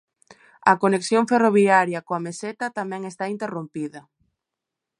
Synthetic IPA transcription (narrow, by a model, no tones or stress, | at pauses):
ɐkoneksjoŋferoβiaɾjɐkoameset̪ɐt̪amɛ̃ŋest̪aint̪erompiðɐ